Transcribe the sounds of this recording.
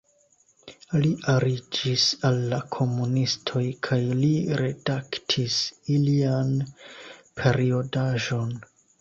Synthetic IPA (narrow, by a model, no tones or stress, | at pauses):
liʔaɾid͡ʒisalːakʰo̞munistʰo̞jkʰajliɾe̞daktʰisilian | pʰe̞ɾio̞daʒo̞n